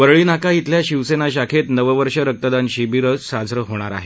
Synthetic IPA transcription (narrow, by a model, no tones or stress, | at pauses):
ʋəɾɭiːnakait̪ljaɕiʋsenaɕ̬akʰet̪nəʋəʋəɾʂəɾək̚t̪əd̪anɕibiɾət͡ssad͡zɾəɦoɽ̃aɾa̰ɦe